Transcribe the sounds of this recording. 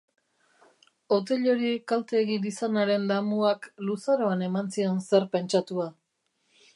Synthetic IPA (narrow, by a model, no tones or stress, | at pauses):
o̞t̪e̞ʎo̞ɾikalt̪e̞ːɣid̪isanaɾe̞nd̪amuaklusaɾo̞ane̞mansio̞nse̞ɾpe̞nt͡ʃat̪ua